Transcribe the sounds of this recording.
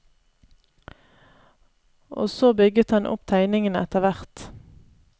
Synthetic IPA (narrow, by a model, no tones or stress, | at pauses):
ʔo̰ːsoːbʏɡət̪hɑnʔʊ̰pt̪ʰæɪnɪŋənəɛt̪əʋæʁt̪